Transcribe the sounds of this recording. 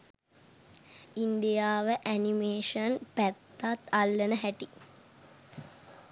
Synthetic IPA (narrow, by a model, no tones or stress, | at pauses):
ind̪ijaːʋəʔænimeːʂənpæt̪ːat̪alːənəɦæʈi